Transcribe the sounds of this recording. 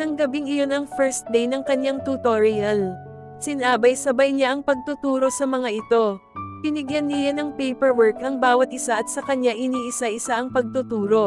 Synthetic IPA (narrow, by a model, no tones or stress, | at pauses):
t̪ɐŋɡɐbiŋɪjo̞nɐŋfɛɹst̪̚d̪ejnɐŋkɐɲjaŋt̪ut̪oɹɪɐl | sɪnʔaːbɐjsɐbajɲaʔɐŋpɐɡ̚t̪ʊt̪uːɾo̞sɐmɐŋaʔɪt̪o̞ | kɪnɪɡjanːɪjanɐŋpɛjpɛɹwɛɹkɐŋbaːwɐt̪̚ʔɪsaʔɐt̪̚sɐkɐɲaʔɪniːʔɪsaʔɪsaʔɐŋpɐɡ̚t̪ʊt̪uːɾo̞